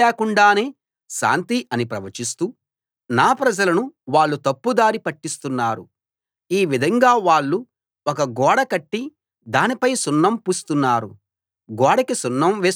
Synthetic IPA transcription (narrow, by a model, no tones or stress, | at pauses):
ɛːkuɳɖaːne̞ː | ʃa̰ːnt̪iʔɐnipɾɐʋɐt͡ʃist̪uː | naːpɾɐd͡ʒɐlɐnuʋaːɭːut̪ɐpːud̪aːɾipɐʈːist̪unːaːɾṵ | iːʋid̪ʱɐŋɡaːʋaːɭːu | ɔkɐɡɔːɽɐkɐʈːi | d̪aːnipɐjsunːɐmpuːst̪unːaːɾṵ | ɡɔːɽɐkisunːɐmʋeː